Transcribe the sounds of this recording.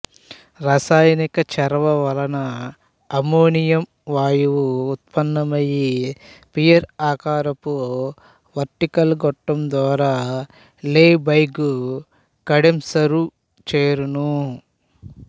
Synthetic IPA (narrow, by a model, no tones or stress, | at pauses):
ɾaːsaːjɐnikɐt͡ʃɛɾʋɐʋɐlɐnɐː | moːnijɐm | ʋaːjuʋuːt̪̚pɐnːɐmɐjipijɐɾaːkaːɾɐpo | ʋɐɾʈikɐlɡɔʈːɐmd̪ʋaːɾaː | leːbɐjɡu | kɐɽemsɐɾu | t͡ʃeːɾunu